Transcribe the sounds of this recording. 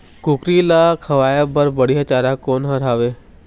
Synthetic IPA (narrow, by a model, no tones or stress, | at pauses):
kʊkɾilaːkʰɐʋaːjabəɾbɐɽiɦat͡ʃaːɾakoːnɦɐɾaːʋeː